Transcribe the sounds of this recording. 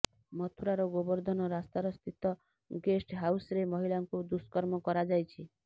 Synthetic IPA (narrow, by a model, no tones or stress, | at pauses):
mɔt̪ʰuɾaɾɔɡobɔɾd̪ʱɔnɔɾast̪aɾɔst̪ʰit̪ɔ | ɡesʈɦawsɾemɔɦilaŋkud̪uskɔɾmɔkɔɾad͡ʒajt͡ʃʰi